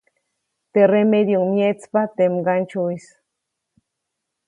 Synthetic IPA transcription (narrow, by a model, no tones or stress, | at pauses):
t̪eremed̪joŋmjet͡spat̪emɡant͡ʃuis